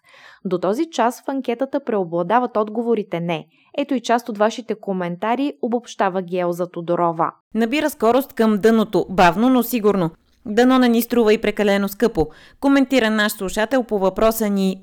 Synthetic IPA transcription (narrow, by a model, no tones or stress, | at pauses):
d̪ot̪ɔzit͡ʃasfɐŋkʲɛt̪ət̪əpɾɛoblˠɐd̪avɐt̪ɔd̪ɡovoɾit̪ɛnɛ | ɛt̪oit͡ʃast̪ot̪vaʃit̪ɛkomɛnt̪aɾiobopʃt̪avəɡʲɛlˠzɐt̪od̪oɾɔvə̰ | nɐbiɾəskɔɾost̪kəmd̪ɤnot̪obavnonosiɡuɾno | d̪ɐnɔnɛnist̪ɾuvəipɾɛkɐlɛnoskɤpo | komɛnt̪iɾənaʃslˠuʃat̪ɛlˠpovɐpɾɔsəni